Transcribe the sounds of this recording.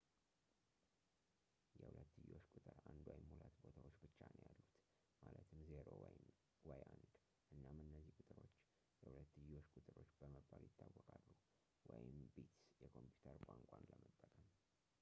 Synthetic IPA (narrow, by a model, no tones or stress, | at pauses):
jɛhulət̪ːɨjo̞t͡ʃːkʼʊt̪ʼɨɾand̪wɔjɪmhulat̪bo̞t̪ʰawot͡ʃːbɨt͡ʃːanojalːut̪ | malət̪ʰɨmzeɾowjn | wɔjand̪ | ʔɨnːamɨnːəzːihkʼʊt̪ʼɨɾo̞t͡ʃː | jɛhulət̪ːɨjo̞t͡ʃːkʼʊt̪ʼɨɾo̞t͡ʃːbəməbːaljɪt̪ʰːawːɔkʼalːu | wʔɔjɪmbet̪jɛkʰo̞mpjut̪ʰəɾkʼaŋkʷʼanləmət̪ʼːəkʼəm